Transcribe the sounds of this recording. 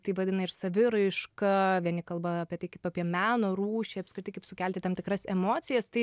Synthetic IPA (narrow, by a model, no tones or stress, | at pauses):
t̪ɐɪʋɐd̪ʲɪnɐɪrsɐʋʲɪɾɐɪʃkɐʋʲiɛnʲɪkɐlˠbɐɐpʲiɛt̪ɐɪkɐɪpɐpʲiɛmʲæːnoːɾuːʃʲɛɪɐpskɾɪt̪ɐɪkɐɪpsʊkʲɛlʲt̪ʲɪt̪ɐmt̪ʲɪkɾɐsɛmoːt͡s̪ʲɪjɛst̪ɐɪ